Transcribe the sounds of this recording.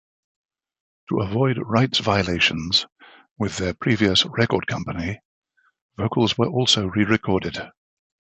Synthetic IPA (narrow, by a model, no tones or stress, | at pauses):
tʰəəvɔɪdɹaɪtsv̥aɪəleɪʃə̃nz̥ | wɪðəpʰɹ̥iːviəsɹɛkɔːd̚kʰʌ̃mpəni | v̥əʊkʰəlˠzwə˞ʔɔˑlˠsəʊɹiɹɪkʰɔːdɪd̥